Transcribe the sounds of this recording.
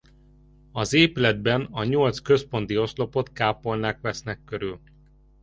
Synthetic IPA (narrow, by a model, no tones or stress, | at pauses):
ɒzeːpylɛd̪̚bɛnɒɲo̞lt̪skø̞spo̞nt̪io̞slo̞po̞t̪kaːpo̞lnaːkʋɛsnɛkːøɾyl